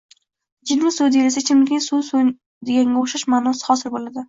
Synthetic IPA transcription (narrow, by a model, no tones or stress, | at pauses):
d͡ʒɪd̪nɪsʊd̪elasɪt͡ʃʰɪmlɪkʲnɪŋsuso | d̪eɡʲaŋɡʲaoʃaʃmaːnɒsɪ̥χɒsɪɾbolad̪ɪ